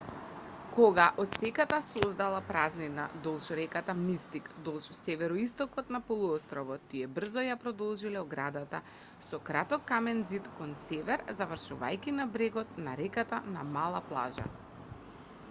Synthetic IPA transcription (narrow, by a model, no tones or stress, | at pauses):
koɡaʔɔt̪sɛkat̪asozd̪alˠapɾaznina̰d̪ɔlˠʃɾɛkat̪amist̪ikd̪ɔlˠʃsɛvɛɾɔist̪ɔkɔt̪napɔlˠuɔst̪ɾɔvɔt̪ːiɛbr̩zɔjapɾɔd̪ɔlˠʒilɛɔɡɾad̪at̪a | sɔkɾat̪ɔkːamɛnzit̪kɔnsɛvɛɾzavr̩ʃuva̰jkʲinabɾɛɡɔt̪naɾɛkat̪anamalˠaplˠa̰ʒa̰